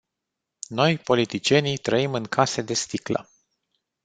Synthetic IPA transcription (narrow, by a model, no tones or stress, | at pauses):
no̞jpo̞lit̪it͡ʃie̞nit̪ɾəimɨŋkʰase̞d̪e̞st̪iklə̰